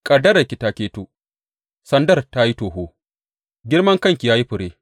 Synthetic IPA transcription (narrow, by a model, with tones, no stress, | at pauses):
kʼɐ˨dɐ˦ɾɐ˨kʲi˨taː˦kʲeː˦toː˦ | sɐ˦ndɐ˦˨rta˦ji˦toː˨ɦoː˦ | ɡʲɪ˦rmɐ˦ŋkɐ˦ŋkʲi˨jaː˦ji˦ɸʊ˨ɽeː˦